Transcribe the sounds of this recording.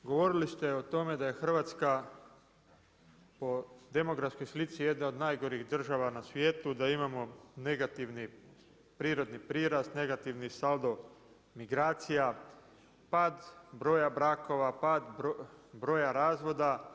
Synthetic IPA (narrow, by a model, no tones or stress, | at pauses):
ɡo̞ʋo̞ɾilist̪e̞ot̪o̞me̞d̪aje̞xr̩ʋat̪ska | po̞d̪e̞mo̞ɡɾafsko̞jslit̪sije̞d̪nao̞d̪naːjɡo̞ɾiɣd̪r̩ʒaʋanasʋje̞ːt̪ud̪aimamo̞neɡat̪iʋni | pɾiːɾo̞d̪nipɾiːɾast̪ne̞ɡat̪iʋnisald̪o̞ | miɡɾaːt̪sija | pad̪bɾo̞jabɾaːko̞ʋapad̪bɾo̞ːjaɾaːzʋo̞d̪a